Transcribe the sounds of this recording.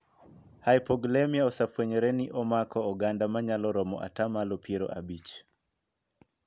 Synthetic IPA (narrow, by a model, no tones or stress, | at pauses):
hajpɔɡlemiaɔsapweɲɔɾɛniʔɔmakɔɔɡandamaɲalɔɾɔmɔ̰ʔa̰tamalɔpieɾɔ̰ʔabit͡ʃ